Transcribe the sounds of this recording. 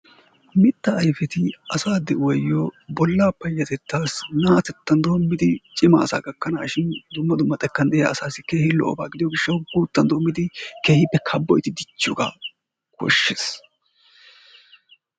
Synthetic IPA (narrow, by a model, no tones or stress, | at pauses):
mɪt̪ːɐɐjfɛt̪ɪɐsaːd̪ːɛwɔjːɔbɔlːapːɐjːɐt̪ɛt̪ːaːsnaːt̪ɛt̪ːɐnd̪o̞ːmːɪd̪ɪt͡ʃʼɪmɐ̰ːsa̰ːɡɐkːɐnaːʃɪnd̪ʊmːɐd̪ʊmːɐt̪ʼɛkːɐnd̪ɛja̰ːsaːsɪke̞ːhɪlːɔ̰ʔɔ̰baːɡɪd̪ɪjɔɡɪʃːɐwɡuːt̪ːɐnd̪oːmːɪd̪ɪkeːhɪpːɛkʰɐbːɔjt̪ɪd̪ɪt͡ʃːʊɡa̰ | kɔ̰ʃːeːs